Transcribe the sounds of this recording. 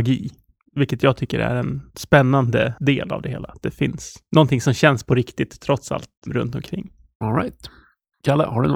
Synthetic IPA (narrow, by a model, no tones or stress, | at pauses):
aɡiː | vɪlkːət̪jɑːɡ̚t̪ʰʏkːəɾæ̰ɾɛnspɛnːand̪əd̪eːla̰vd̪ɛheːlat̪̚d̪ɛfɪnsnɔnt̪ʰɪŋsɔmɕɛnspʰɔɾɪkt̪ɪt̪ʰːɾɔt̪sa̰lt̪ɾɵ̰nt̪ɔmkʰɾɪ̰ŋː | ɔlɾa̰ɪt̪ | kʰalːa̰haɖɵn